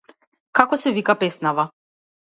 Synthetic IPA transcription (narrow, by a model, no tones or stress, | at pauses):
kakɔsɛvikapɛsnava